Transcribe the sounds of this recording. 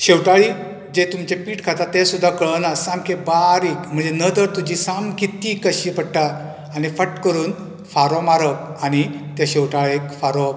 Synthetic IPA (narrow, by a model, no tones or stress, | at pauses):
ɕewʈaɭi | d͡ʑet̪umt͡ɕepiːʈkʰat̪at̪ẽsud̪ʱːakəɭənasãmkʰebaɾiːkm̤əɳd͡zenəd̪əɾt̪ud͡ʑisamkit̪ːiːkəɕipəɽʈa | anifəʈkəɾuːn | faɾɔmaɾəkañit̪aɕewʈaɭekfaɾɔ